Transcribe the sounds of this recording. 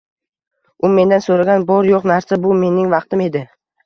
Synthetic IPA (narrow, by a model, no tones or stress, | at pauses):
ʊme̞nd̪ansoɾaɡʲanbɒɾjoqnaɾsabʊme̞nɪŋvɑqt̪ʰɪme̞d̪ɪ